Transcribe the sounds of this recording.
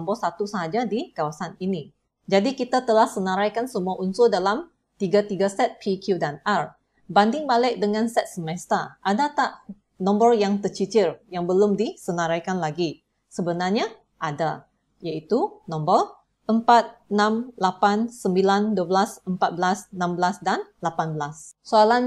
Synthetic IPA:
mbəlsat̪usəɦad͡ʒadikawasanini | d͡ʒadikit̪at̪əlahsənãɾajkansəmuaʔunsʊdalam | t̪iɡat̪iɡasɛt̪̚pʰikʰjudanar | bandɪŋbalɪk̚dəŋãnsɛt̪̚səmɛst̪aʔadat̪aʔ | nɔ̃mbərjaŋt̪ət͡ʃit͡ʃɪrjaŋbəlʊmdisənãɾajkanlaɡi | səbənarɲa | ʔada | jait̪unɔ̃mbər | ʔəmpat̪̚nãmlapansəmbilanduəbəlasəmpat̪̚bəlasnãmbəlasdanlapanbəlassoalan

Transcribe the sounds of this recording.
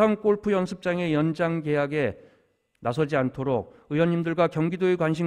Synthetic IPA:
aŋk͈oɭpʰujʌnsʰɯp̚t͡ɕ͈aŋe̞jʌnd͡ʑaŋɡe̞ɦaɡe̞ | nasʰʌd͡ʑiantʰoɾok̚ɯjwʌnɲːimdɯɭɡwakjʌŋɡidoikwanɕ̬ʰi

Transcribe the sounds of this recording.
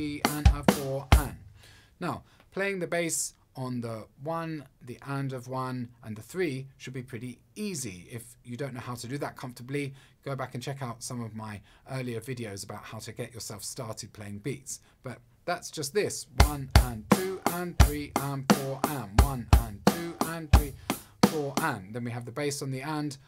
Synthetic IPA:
iə̃nʌv̥fɔɹə̃nnaʊpʰl̥eɪɪ̃ŋðɨbeɪs | n̩ðəwʌ̃nðiʔɛ̃ndʌvwʌ̃nʔə̃nðɨθɹiʃɨd̚bipʰɹ̥ɪɾi | iziɪfjɨdõʊ̃nːoʊhaʊɾɨdɨðət̚kʰʌ̃ɱftə˞bli | ɡ̥oʊbækɨ̃n̩t͡ʃʰɛkaʊtsʌ̃mʌvmaɪ | ʔɜ˞lˠiə˞vɪɾioʊzəbaʊt̚haʊɾʰɨɡɛt͡ʃə˞sɛlˠfstɑɹɾɨd̚pʰl̥eɪɪ̃ŋbits | b̥ʌt̪̚ | ðætsd̥ʒ̥ʌst̪̚ðɪswʌ̃nə̃ntʰʉʔə̃nθɹiʔə̃nfɔɹʔɛ̃mwʌ̃nə̃ntʰʉʔə̃nθɹi | fɔɹʔæ̃nðɨ̃nwiɨvðɨbeɪsn̩ðiɛ̃nd̥

